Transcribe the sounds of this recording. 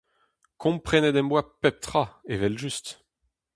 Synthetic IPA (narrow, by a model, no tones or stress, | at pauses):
kʰɔ̃mpχɛnɛd̪ɛ̃mbwapɛp̚t̪χaevɛlʒyst̪